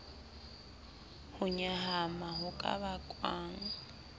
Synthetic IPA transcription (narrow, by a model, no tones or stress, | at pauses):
hʊɲaɦamaɦʊkʼa̰βakʼwaːŋ̩